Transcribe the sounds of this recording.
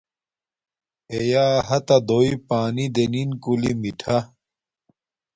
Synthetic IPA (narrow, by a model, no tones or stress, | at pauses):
ejaːɦɐt̪ɐd̪oːipaːnid̪eninkulimiʈʰɐ